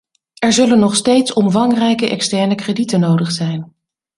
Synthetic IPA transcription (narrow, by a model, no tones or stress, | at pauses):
ɛɹzɵlənːɔχstejtsɔmvɑŋrɛjkəʔɛ̰kstɛɹnəkreditənowdəχsɛjn